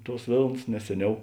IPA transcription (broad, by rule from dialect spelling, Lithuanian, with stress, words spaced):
ˈtuɔs ˈʋʲeːlˠns nʲɛs ˈsʲæːˌnʲɛʊ